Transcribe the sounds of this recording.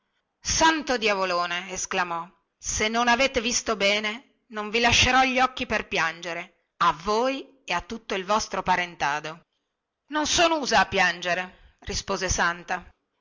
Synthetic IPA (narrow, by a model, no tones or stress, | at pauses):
sant̪od̪javoloːneesklamɔ | senːonaveːt̪evist̪obɛːne | noɱvilaʃːeɾɔʎːiɔkːiperpjand͡ʒeɾe | avoːj | eat̪ːut̪ːoilvɔst̪ɾopaɾent̪aːd̪o | nonsoːnouːzaːpːjand͡ʒeɾe | rispoːzesant̪a